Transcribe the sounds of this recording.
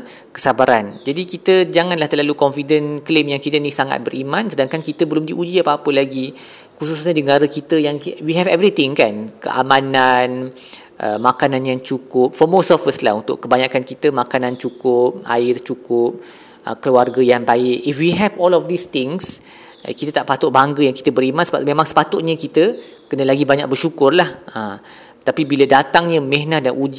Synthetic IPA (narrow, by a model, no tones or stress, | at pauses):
kə̥sabaɾand͡ʒadikit̪əd͡ʒaŋanlaht̪əlalukɔnfidənklemjaŋkit̪ənisaŋa̰t̪̚bəɾimãnsədaŋkankit̪əbəlʊmdiʔud͡ʒiapaːpəlaɡi | kususɲadəŋaɾəkit̪əjaŋwiɦɛvɛvɾit̪ɪŋkankə̰ʔamãnan | ʔə̰makanãnjaŋt͡ʃukʊp̚fɔmosɔfəsla̰hunt̪ʊ̰kːəbaɲakankit̪əmakanãnt͡ʃukʊp̚a̰ɪrt͡ʃukʊp̚ | ə̰kəluarɡəjaŋbaɪʔifwiɦɛvɔlɔfd̪ist̪ɪŋs | kit̪ət̪aʔpat̪ʊʔ̚baŋɡəjaŋkit̪əbəɾimasəba̰ʔmẽmãŋsə̥pat̪ʊt̪̚ɲə̃kit̪ə | kənəlaɡibaɲa̰k̚bərʃukʊrlahə | t̪apibilədat̪aŋɲə̃mɛ̃ɦnahdanʔud͡ʒ